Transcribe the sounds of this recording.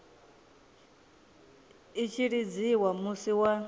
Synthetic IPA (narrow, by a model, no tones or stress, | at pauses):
it͡ʃʰiɺid͡ziwamusiwa